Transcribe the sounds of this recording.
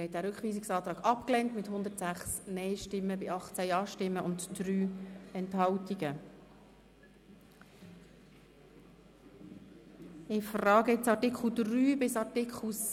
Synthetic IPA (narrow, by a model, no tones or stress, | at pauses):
ɛt̚dæːɾʏkχʋiːsɪksɑːt̪ɾɑːɡɑpklɛntmɪthʊnd̪ətsæχsnɛɪʃtɪmːəbɪɑχt͡sɛjɑːʃtɪmːəʔʊntdryːɛnthɑwtiɡ̥ə | ɪfrɑːɡəɪt͡sɑtɪkχl̩dryːbɪsɑtɪkʰl̩s